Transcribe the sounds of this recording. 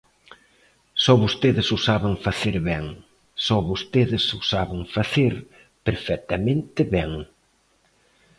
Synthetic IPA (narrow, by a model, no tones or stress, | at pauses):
sɔβost̪eðɪsusaβeŋfaθeɾβɛŋ | sɔβost̪eðɪsʊsaβeŋfaθeɾ | peɾfɛk̚t̪amẽnt̪ɪβɛŋ